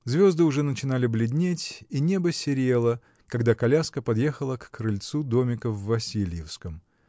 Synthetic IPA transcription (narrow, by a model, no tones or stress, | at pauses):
zvʲo̞zd̪ɨʊʐɛnət͡ɕɪn̪alʲɪblʲɪdʲnʲetʲinʲe̞bəsʲɪɾʲe̞lˠə | kɐɡd̪akɐlʲaskəpɐd̪je̞xəlˠəkkɾɨlʲt̪sud̪o̞mʲɪkəvːɐsʲilʲjɪfskəm